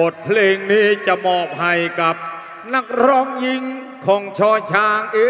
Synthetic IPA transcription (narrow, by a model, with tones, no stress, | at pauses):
o˨˩t̪̚pʰleː˧ŋniː˦˥t͡ɕa˨˩mɔː˨˩p̚ha˨˩jka˨˩p̚ | na˧˥k̚ɾɔ˦˧˥mji˧ŋ | kʰɔː˩˦ŋt͡ɕʰɔː˧t͡ɕʰaː˧˥ŋʔi˦˥